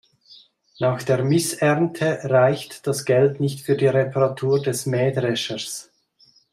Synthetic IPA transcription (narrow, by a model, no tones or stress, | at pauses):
naːxd̥eːɐmɪsɛʁntʰəʁaɪçtd̥asɡ̥ɛltnɪçtfyːɐdiːʁepʰaʁatʰuːʁdɛsmɛːdʁɛʃəs